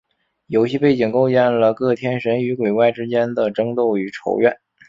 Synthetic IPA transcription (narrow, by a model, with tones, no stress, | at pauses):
jo˧˥ʊɕi˥˧pe˥˩ɪt͡ɕi˨˩ŋko˥˧ʊt͡ɕjɛ˥˩nlə˩kɤ˥˩t̪ʰjɛ˥nʂə˧˥ny˧˥kwe˨˩ɪwa˥˩ɪʈ͡ʂɻ̩˥t͡ɕjɛ˥nd̪ə˨ʈ͡ʂɤ˥ŋt̪o˥˩ʊy˨˩ʈ͡ʂʰo̰˧˥ʊɥɛ˥˩n